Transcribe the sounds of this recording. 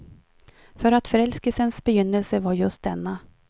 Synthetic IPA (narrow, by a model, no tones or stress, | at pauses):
fœɾat̪fœɾɛlskəlsənsbɛjʏnːəlsəvaɾjɵst̪̚d̪ɛnːa